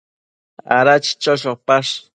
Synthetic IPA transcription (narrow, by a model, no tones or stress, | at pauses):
a̰ɾat͡ʃi̥t͡ʃoʃopaʃ